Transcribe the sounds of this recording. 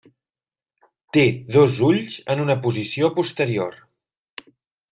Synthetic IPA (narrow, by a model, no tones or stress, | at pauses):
t̪eðozuʎzənunəpuzisiopust̪əɾior